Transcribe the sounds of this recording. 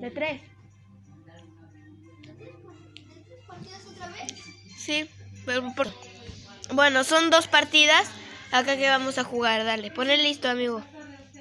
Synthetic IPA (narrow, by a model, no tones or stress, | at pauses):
d̪et̪ɾes | sipeɾpo | bwe̞no̞so̞nd̪o̞spaɾt̪iðasakake̞βamo̞saxuɣaɾðale̞po̞nelist̪oamiɣo